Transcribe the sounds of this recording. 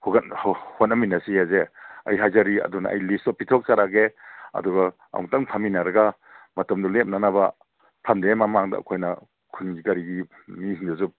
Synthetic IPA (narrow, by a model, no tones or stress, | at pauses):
hoɡanhotnːaminasiazea̰jɦajzaɾiɐ̰duna̰ʔa̰jlistɔpitʰɔk̚t͡ʃaɾaɡeɐ̰dɔɡa | a̰ŋtaŋpʰaminaɾɐɡa | mɐtamdulep̚nanaba | pʰamdemamaŋda̰ːkʰojnɐ | kʰuniŋɡikaɾiɡi | mihinduzup̚